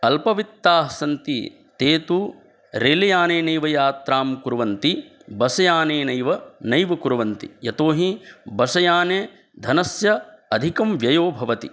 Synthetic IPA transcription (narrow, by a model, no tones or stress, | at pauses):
ɐlpɐʋit̪ːaːɦɐsɐnt̪ḭ | t̪eːt̪u | ɾeːlɐjaːneːnɐjʋɐjaːt̪ɾaːmkuɾuʋɐnt̪i | bɐsɐjaːneːnɐjʋɐnɐjʋɐkuɾɐʋɐnt̪ḭjɐt̪oːɦibɐsɐjaːneː | d̪ʱɐnɐsjɐɐd̪ʱikɐmʋjɐjoːbʱɐʋɐt̪ḭ